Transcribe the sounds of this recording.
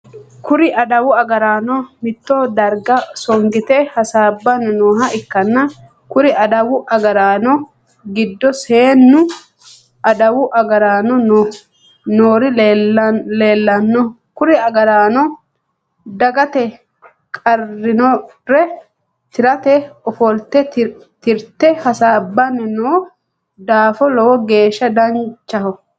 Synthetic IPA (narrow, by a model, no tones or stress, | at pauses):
kʰʊɾɪʔɐd̪ɐwʊɐɡɐɾaːnɔmɪt̪ːɔd̪ɐɾɡɐsɔŋɡɪt̪ɛhɐsaːbːɐnnoːɦɐɪkːɐnːɐ | kʊɾɪɐd̪ɐwʊʔɐɡɐɾaːnɔ | ɡɪd̪ːɔseːnːʊ | ʔɐd̪ɐwʊʔɐɡɐɾaːnɔno | noːɾɪ | leːlːɐnːɔ | kʊɾɪɐɡɐɾaːnɔ | d̪ɐɡɐt̪ɛ | kʼɐrːɪnɔ | ɾɛ | t̪ɪɾɐt̪ɛɔfɔlt̪ɛ | t̪ɪɾt̪ːɛhɐsaːbːɐnɛnoː | d̪aːfɔlɔwɔɡe̞ːʃːɐd̪ɐnt͡ʃːɐhɔ